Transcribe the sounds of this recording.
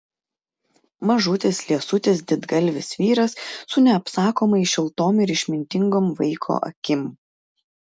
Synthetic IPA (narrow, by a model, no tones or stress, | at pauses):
mɐʒʊt̪ʲɪslʲiɛsʊt̪ʲɪsd̪ʲɪd̪ɡɐlʲʋʲɪsʋʲiːɾɐsːʊnʲɛɐpsɑːkoːmɐɪʃʲɪlˠt̪oːmɪɾɪʃʲmʲɪnʲt̪ʲɪŋɡoːmʋɐɪkʰo̰ːʔɐ̰kʲɪm